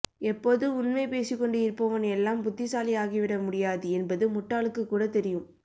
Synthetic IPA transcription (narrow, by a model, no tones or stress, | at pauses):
ɛpːoːðɯʊnmeɪpeːsɪkːɔɳɖɯɪɾpːoːʋɐnɛlːaːmbʊt̪ːɪsaːlɪaːɣiʋɪɽɐmʊɽɪjaːðɯɛnbɐðɯmʊʈːaːɭɯkːɯkːuːɽɐt̪ɛɾɪjɯm